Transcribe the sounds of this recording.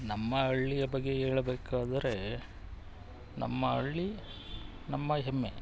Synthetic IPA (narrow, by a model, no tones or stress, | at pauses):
nɐmːɐɐɭːijɐbɐɡːe̞eːɭɐbeːkaːd̪ɐɾe̞ | nʔɐ̰mːɐɐɭːi | nɐmːɐɦemːe